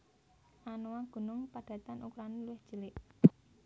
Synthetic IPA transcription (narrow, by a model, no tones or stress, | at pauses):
ʔanowaɡ̥ṳnʊŋpaɖ̥ä̤t̪anʔukuɾaniluwɪhd̥ʒ̥ə̤lɪʔ